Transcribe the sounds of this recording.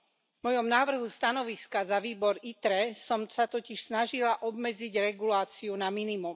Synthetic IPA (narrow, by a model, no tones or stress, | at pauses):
vmɔjɔmnaːʋr̩ɦust̪anɔʋiskazaʋiːbɔɾit̪ɾɛsɔmsat̪ɔciʃsnaʒilaʔɔbmɛd͡ziɟɾɛɡulaːt͡siunaminimum